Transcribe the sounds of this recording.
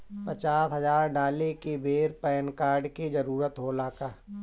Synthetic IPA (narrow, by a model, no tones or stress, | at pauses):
pɐt͡ʃaːsɦɐzaːɾɖaːlekebʱeːɾpɛːnkaːɾɖked͡ʒɐɾuːɾət̪ɦoːlaːkaː